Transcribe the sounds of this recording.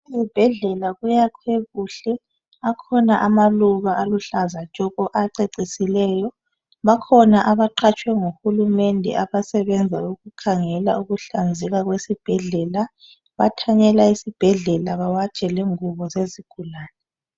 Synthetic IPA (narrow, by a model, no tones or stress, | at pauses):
ezib̥ʱɛɮɛlaɣujakʰweɣuɬɛ | akʰɔnaʔamaluɣaaluɬazat͡ʃʼɔɣɔʔaǀeǀisilɛːjɔ | βakʰɔnaʔaβaǃʰat͡ʃʼwɛŋuxulumɛndʱɛ̰ʔaβasɛβɛnd͡zʱauɣukʰaŋɛlauɣuɬand͡zʱɛɣaɣwesib̥ʱɛɮɛla | βatʰaɲɛlaisib̥ʱɛɮɛlaβawat͡ʃʼɛleŋuβɔzeziɡ̥ʱulaːnɛ